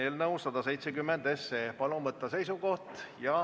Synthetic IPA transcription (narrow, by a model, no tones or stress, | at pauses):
eːlnɤusːɑd̪̥ɑse̞jt̪sekymːend̪e̞sːepɑlumvɤt̪ːˑɑse̞jsuko̞ht̪jɑ